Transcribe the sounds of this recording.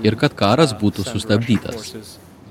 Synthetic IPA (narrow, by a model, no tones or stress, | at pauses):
ɪɾkɐt̪kɑːɾɐsbuːt̪ʊsʊst̪ɐbʲd̪ʲiːt̪ɐ̰s